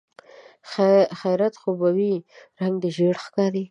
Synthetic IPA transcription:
xajɾat̪xobawiɾaŋɡd̪əʒeɽxkɑɾi

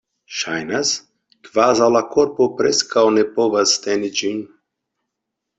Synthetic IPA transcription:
ʃajnas | kvaːzalakoɾpopɾɛskawnɛpovazt̪ɛnid͡ʒin

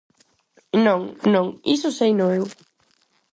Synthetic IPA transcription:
nõŋnõŋisʊsejnoew

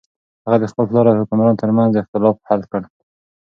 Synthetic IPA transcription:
haɣad̪əxpəllɑɾad̪əhʊkumɾɑnot̪əɾmanzd̪əɪxt̪ɪlɑfhalkəɽ

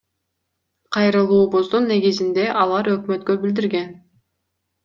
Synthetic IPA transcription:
qʰɑjɾɯlˠuːbozd̪unːe̞ɡizind̪e̞ʔɑlˠɑɾø̞kmø̞t̪kø̞bild̪iɾɡe̞n

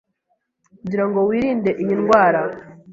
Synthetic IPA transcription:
ɲɟiɾaŋɡo̞wiːɾiːnde̞ʔiɲinɡwaːɾa

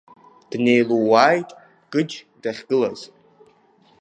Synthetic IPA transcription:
d̥ne̞jluwaːjtʼ | ɡ̥ʼɨd͡ʒ | d̥aχʲɡ̥ɨlaz

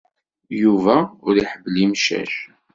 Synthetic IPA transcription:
juvæʊɾiħəbːlimʃæ̰ʃ

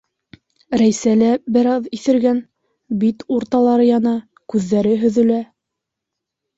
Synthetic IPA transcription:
ɾæjsælæbɘ̆ɾɑðiθɘ̆ɾɡæn | bit̪uɾt̪ɑlˠɑɾɤjɑnɑ | kʉðːæɾɘɦɵ̆ðɵ̆læ

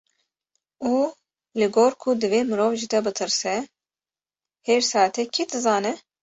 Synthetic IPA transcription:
uː | lɨɡoːɾkʰud̪ɨveːmɨɾoːvʒid̪ɛbɨt̪ʰɨɾsɛ | heɾsɑːt̪ʰɛkʰid̪ɨzɑːnɛ

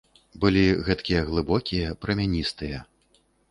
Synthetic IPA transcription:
bɨlʲiɣɛt̪kʲijɐɣlˠɨbɔkʲijɐpɾɐmʲanʲist̪ɨjɐ

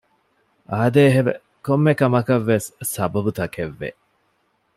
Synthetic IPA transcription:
ʔaːd̪eːɦebḛ | komːekɐmɐkɐʋːesːɐbɐbut̪ɐkʰeʋːḛ

